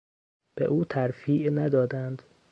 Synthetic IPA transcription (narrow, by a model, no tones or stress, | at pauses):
b̥ḛʔuːt̪ʰæɾfiːʔnæd̪ɒːd̪ænd̪